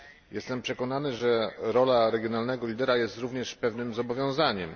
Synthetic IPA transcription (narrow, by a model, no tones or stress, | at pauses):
jɛst̪ɛmpʂɛkɔnanɘʐɛɾɔlaɾɛɡʲjɔnalnɛɡɔlʲid̪ɛɾajɛst̪ɾuvɲɛʂpɛvnɘmzɔbɔvʲjɔ̃w̃zaɲɛm